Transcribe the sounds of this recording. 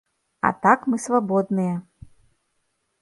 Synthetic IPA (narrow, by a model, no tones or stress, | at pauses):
ɐ̰t̪akmɨsvabɔd̪nɨjɛ